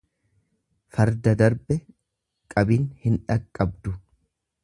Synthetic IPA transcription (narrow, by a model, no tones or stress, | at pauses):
fɐɾd̪ɐd̪ɐɾbɛ | kʼɐbiːnhɪnᶑɐkʼːɐb̚d̪ʊ